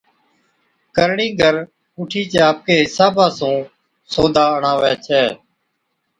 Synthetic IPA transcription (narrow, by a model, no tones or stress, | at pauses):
kəɾɳiːɡʱəɾ | uːʈʰiːt͡ʃːaːp̚keːɦɪsaːbãːsũː | soːd̪ʱaːəɳaːʋɛːt͡ʃʰɛː